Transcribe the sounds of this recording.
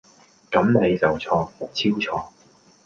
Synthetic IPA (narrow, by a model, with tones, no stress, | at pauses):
kɐ˨˥mne˨˧jt͡sɐ˨wt͡sʰɔː˧ʊ˨˩t͡sʰiː˥wt͡sʰɔː˧